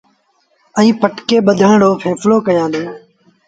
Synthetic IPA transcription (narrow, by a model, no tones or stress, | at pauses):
ə̃ĩːpəʈkeːɓəd̪ʱaːɳɽoːpʰeːfloːkəjãːd̪õː